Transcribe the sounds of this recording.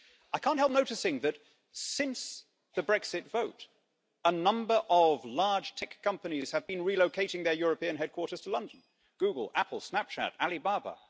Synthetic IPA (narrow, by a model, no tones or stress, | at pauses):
aɪkʰæ̃ntɦɛlˠp̚noʊɾɨsɪ̃ŋðɨt | sɪ̃ns | ðɨbɹɛksɨtv̥oʊɾ | ənʌ̃mbə˞ʔʌvlɑɹd̥ʒ̥tʰɛkʰːʌ̃mpɨniz̥ɨvbɨ̃nɹiloʊkʰeɪɾɪ̃ŋðə˞jʊɹɨpĩɨ̃nɦɛd̚kʰw̥ɔɹɾə˞z̥tʰəlʌ̃ndn̩ | ɡ̥ʉɡl̩ˠæpl̩ˠsnæp̚t͡ʃʰæ̰ɾælˠibɑɹbə̰